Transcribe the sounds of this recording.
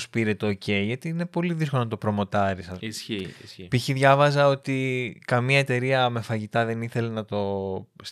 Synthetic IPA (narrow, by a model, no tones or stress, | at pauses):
spiɾe̞t̪eoce̞iʝɐt̪iine̞po̞liðiskonɐt̪o̞pɾo̞mo̞t̪ɐɾisɐsspiçiðʝɐvɐzɐo̞t̪ikɐmiɐe̞t̪e̞ɾiɐme̞fɐʝit̪ɐðe̞niθe̞lenɐt̪o̞s